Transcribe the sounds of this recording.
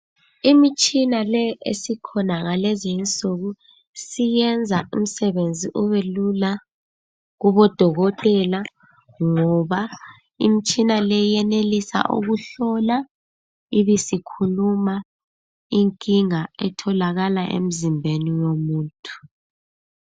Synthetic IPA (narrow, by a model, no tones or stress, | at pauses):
imit͡ʃʼinalɛḛsikʰɔnaŋalezint͡sʼuɣu | sijɛnd͡zʱaʔum̩sɛβend͡zʱiʔuβelula | ɣuβɔd̥ʱɔɣɔtʼɛla | ŋɔβa | ḭmit͡ʃʼinalɛjɛnelisa̰ʔṵɣuɬɔla | iβisikʰuluma | iŋkʼiŋaɛtʰɔlaɣalaʔḛm̩zimbʱeniwomuːntʼʰu̥